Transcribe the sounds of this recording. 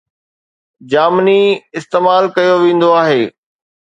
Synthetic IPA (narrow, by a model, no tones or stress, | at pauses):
d͡ʑaːməniɪst̪eːmaːlkɐjoʋẽːn̆d̪oaːɦeː